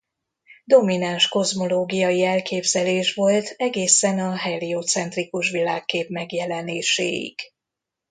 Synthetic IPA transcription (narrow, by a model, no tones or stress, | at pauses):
d̪o̞minanʃko̞zmo̞loːɡijɒjiɛlkeːbzɛleːʃʋo̞lt̪ʰɛɡeːsɛnɒɦɛliot̪sɛnt̪rikuʃʋilaːkːeːpmɛɡjɛlɛneːʃḛːjḭɡ